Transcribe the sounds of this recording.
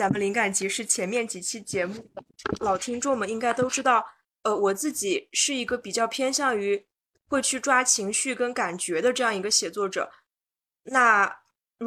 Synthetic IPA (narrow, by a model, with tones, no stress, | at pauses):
t͡sa˧˥˩mə˧li˧˥ŋka˨˩nt͡ɕi˧˥ʂɻ̩˥˩t͡ɕʰjɛ˧˥nmjɛ˥˩nt͡ɕi˧˥t͡ɕʰi˥t͡ɕjɛ˧˥mu˥˩lɑ˨˩ʊt̪ʰi˥ŋʈ͡ʂʊ˥˩ŋmə˩i˥ŋka˥ɪt̪o˥ʊʈ͡ʂɻ̩˥t̪ɑ˥˩ʊ | ə˧wɔ˨˩t͡sɹ̩˥˩t͡ɕi˨˩ʂɻ̩˥˩i˧˥ɡə˧pi˨˩t͡ɕjɑ˥˩ʊpʰjɛ˥nɕjɑ˥˩ŋy˧˥ | xwe˥˧ɪt͡ɕʰy˥˩ʈ͡ʂwa˥t͡ɕʰi˧˥ŋɕy˥˩kə˥nka˨˩nt͡ɕɥɛ˧˥d̪ə˧ʈ͡ʂɤ˥˧jɑ˥˩ŋi˧˥ɡə˧ɕjɛ˨˩t͡swɔ˥˩ʈ͡ʂɤ̰˨˩˦ | na˥˩